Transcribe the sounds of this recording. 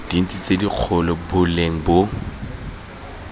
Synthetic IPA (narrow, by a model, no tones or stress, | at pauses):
d̥in̩t͡sʼit͡sʼediq͡χʰɔlɔbʊleŋ̩bo